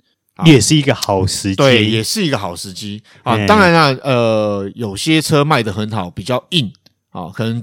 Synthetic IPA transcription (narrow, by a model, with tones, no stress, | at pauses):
jɛ˨˩ʂɻ̩˥˩i˧˥ɡə˧xɑ˨˩ʊʂɻ̩˧˥t̪we˥˩ɪjɛ˨˩ʂɻ̩˥˩i˦˥ɡə˧xɑ˨˩ʊʂɻ̩˧˥t͡ɕi˥ | ɔ˥˨˩ɑ˥ŋɻa˧˦na˥˧ə˧jo˨˩ʊɕjɛ˦˥ʈ͡ʂʰɤ˥ma˥˩ɪd̪ə˩xə˧˦nxɑ˨˦ʊpi˨˩t͡ɕjɑ˥˧ʊi˥˩n | ɔ̰˨˩kʰɤ˨˩nə˧˦ŋ